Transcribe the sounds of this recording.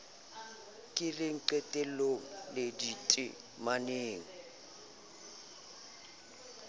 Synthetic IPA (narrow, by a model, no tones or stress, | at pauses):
kʼɪlɪŋ̩ǃetʼɛloŋ̩lɪditʼɪ̰ | maneːŋ̩